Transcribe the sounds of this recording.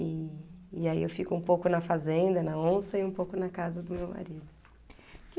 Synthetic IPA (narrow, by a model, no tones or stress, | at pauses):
iː | aiewfikʊũmpowkʊnɐfazẽnd̪ɐnɐõsɐiũpowkʊnɐkazɐd̪ʊmewma̰ɾid̪ʊ | k